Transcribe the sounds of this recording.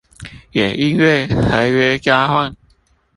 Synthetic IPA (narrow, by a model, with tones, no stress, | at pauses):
jɛ˨˩ʔi˦nwe˥˨ɪtʰa˨˦ɪɥɛ˦kja˦hwa˥˨n